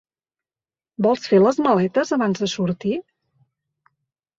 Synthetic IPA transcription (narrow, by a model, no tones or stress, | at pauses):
bɔlˠsfeləzməlɛt̪əzəβanzðəsuɾt̪i